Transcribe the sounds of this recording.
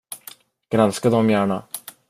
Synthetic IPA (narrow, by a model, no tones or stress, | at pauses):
ɡ̥ɾanskad̪ɔmjæːɳa̰